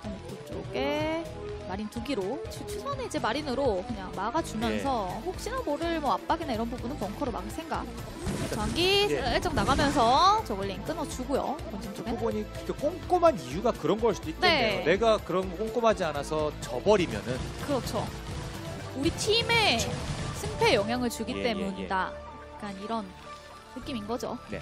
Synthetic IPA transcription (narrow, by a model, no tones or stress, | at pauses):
tot͡ɕ͈o̰ɡe̞ | maɾintuɡiɾot͡ɕʰt͡ɕʰusʰʌneid͡ʑe̞maɾinɯɾokɯɲaŋmaɡat͡ɕumjʌnssʰʌɸok̚ɕ͈inamoɾɯɭmʌap͈̚aɡinaiɾʌnbubunɯnpjʌŋkʰʌɾoma̰ɡisʰe̞ŋɡa̰ | aŋɡieɭt͡ɕ͈ʌŋnaɡamjʌns̬ʰʌt͡ɕʌɡɯɭːink͈ɯnʌt͡ɕuɡojo̰kʌnd͡ʑʰiŋt͡ɕ͈oɡebuɲi | kek͈oŋk͈omɦanijuɡakɯɾʌnɡʌɭs͈ud̥oitnee̞eone̞ɡakɯɾʌnk͈oŋk͈omɦad͡ʑianasʰʌt͡ɕʌbʌɾimjʌnɯnkɯɾʌt͡ɕʰo | uɾit͡ɕʰime̞ | sʰɯŋpʰe̞jʌŋɦjaŋɯɭt͡ɕuɡit͈e̞muɲida | k͈aniɾʌn | nɯk͈iminɡʌd͡ʑo̰ne